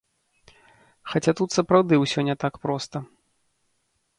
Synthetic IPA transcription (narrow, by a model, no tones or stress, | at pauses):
xat͡sʲat̪ut̪sɐpɾawd̪ɨwsʲɔnʲɛt̪akpɾɔst̪ɐ